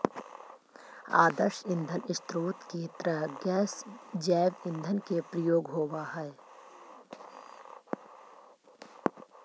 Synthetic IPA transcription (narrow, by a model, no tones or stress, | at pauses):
a̰ːd̪əɾʃɪ̃nd̪ʱənɪst̪ɾuːt̪keːt̪ɾəɡɛːsd͡ʒɛːʋɪ̃nd̪ʱənkepɾəjoːɡɦoːʋaɦɛː